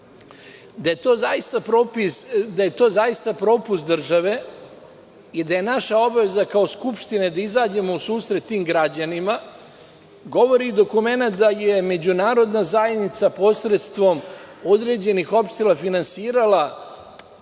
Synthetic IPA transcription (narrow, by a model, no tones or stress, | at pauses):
d̪ajet̪oːzaist̪apɾopisd̪aje̞t̪o̞ːzaist̪apɾo̞ːpust̪d̪r̩ʒaʋe̞ | id̪aje̞naʃao̞baʋe̞zakao̞skupʃt̪ined̪aizaːd͡ʑe̞mo̞usuːsɾet̪ːiːmɡɾad͡ʑanima | ɡo̞ʋo̞ɾiːd̪o̞kume̞nat̪d̪aje̞me̞d͡ʑunaːɾo̞d̪nazajed̪nit̪sapo̞sɾet̪st̪ʋo̞mo̞d̪ɾe̞ːd͡ʑe̞nixo̞pʃt̪elˠafinansiːɾala